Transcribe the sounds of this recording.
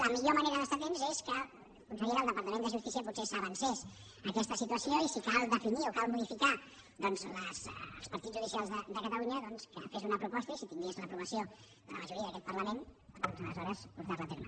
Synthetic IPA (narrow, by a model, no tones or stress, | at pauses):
ləmiʎoməneɾəðəst̪at̪enzeskə | kunsəɣeɾəlˠd̪əpəɾt̪əmend̪əʒust̪is̬iəpusesəβənsɛs | əkɛst̪əsit̪uəsioisikalˠd̪əfiniokalˠmuðifika | ðɔnzləz̰lˠspəɾt̪id͡zzʒuðisialˠzðəd̪əkət̪əluɲəðɔnskə̰fezunəpɾupɔst̪əisit̪iŋɡezləpɾuβ̞əsio | ðələməʒuɾiəðəkɛt̪̚pəɾləmend̪ɔnzələ̰zɔɾəspuɾt̪azlət̪eɾmə̰